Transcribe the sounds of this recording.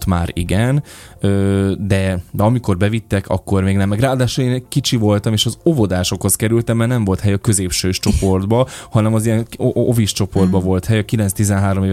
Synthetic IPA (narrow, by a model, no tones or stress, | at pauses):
t̪maːɾḭɡɛnøːd̪ɛd̪ɛɒmiko̞rbɛvit̪ːɛkɒ̰kːo̞rmeːɡnɛmːɛɡraːd̪aːʃuleːnɛɟkit͡ʃivo̞lt̪ɒmeːʃɒzo̞vo̞d̪aːʃo̞kho̞skɛɾylt̪ɛmːɛrnɛɱvo̞lt̪hɛjɒkø̞zeːpʃøːʃt͡ʃo̞po̞rd̪bɒhɒnɛmɒzijɛŋoviʃt͡ʃo̞po̞rd̪bɒvo̞lt̪hɛjɒkilɛnst̪izɛnɦaːɾo̞meːv